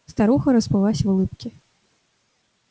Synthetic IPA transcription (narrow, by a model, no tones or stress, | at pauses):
st̪aɾuxɐɾɐspɨlˠasʲvulˠɨpkʲi